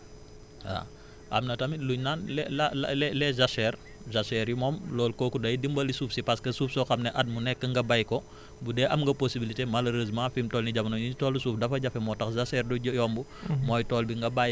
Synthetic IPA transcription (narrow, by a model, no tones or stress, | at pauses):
a̰ | ʔɐ̰mnɐtɐmiluɲnaːnlɛlal̰lɛlɛzɐsɛːr | zɐsɛːɾjumɔːmlɔːlkɔkudɐjdimbɐlisuːfsipɐskəsuːfsɔxɐmnɛʔɐt̚munɛkːəŋɡɐbɐjkɔ | budɛʔɐmŋɡɐposibilitemɐloɾizmãːfiːmtɔːlniɟɐmnɔjuɲtɔːlusuːfdɐfɐɟɐfɛmɔːtɐxzɐsɛːrduɟjɔːmbumɔːjtɔːlbiŋɡɐbaj